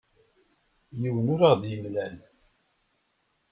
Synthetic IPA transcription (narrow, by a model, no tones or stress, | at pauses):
jiwənʊɾaʁðjəmlæl